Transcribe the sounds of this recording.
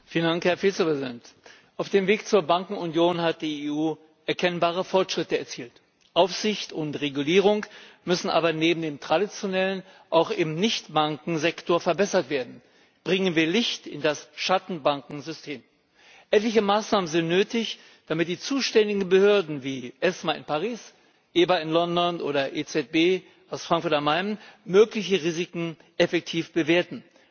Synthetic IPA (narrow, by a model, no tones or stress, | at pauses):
fiːləndaŋkhɛɐfiːt͡səpʁ̥ɛzidɛnt | ʔaʊfd̥eːmveːkt͡suːɐbaŋkŋ̩ʊnjoːnhat̚d̥iːeːuː | ʔɛɐkʰɛnbaːʁ̞əfɔʁɐtʃʁ̥ɪtəɛɐt͡siːlt | ʔaʊfz̥ɪçtʊntʁeɡuliːʁ̞ʊŋkmʏsn̩ʔa̰ːbɐneːbm̩deːmtʁ̥adit͡sjonɛlən | ʔaʊxʔɪmnɪçtb̥aŋkŋ̩zɛktoːɐfɛɐbɛsɐtv̥eːɐdn̩ | b̥ʁɪŋənviːɐlɪçtɪ̰ndasʃatn̩baŋkŋ̩zʏstʰeːm | ʔɛtlɪçəmaːsnaːmənzɪntnøːtɪç | d̥amɪt̚d̥iːt͡suːʃtɛndɪɡŋ̩bəhøɐdn̩viːʔɛsmaɪnpaʁiːs | ʔeːbaɪnlɔndɔnʔo̰ːɾɐʔet͡sɛt̚b̥eː | ʔaʊsfʁ̥aŋkfʊɐtamaɪnnmøːklɪçəʁiːzɪkŋ̩ | ʔɛfɛk̚tʰiːfb̥əveːɐtn̩